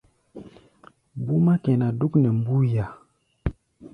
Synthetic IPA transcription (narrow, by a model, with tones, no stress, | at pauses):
mbu˦ma˦kɛ˨na˨du˦knɛ˨m˦bu˦ja˨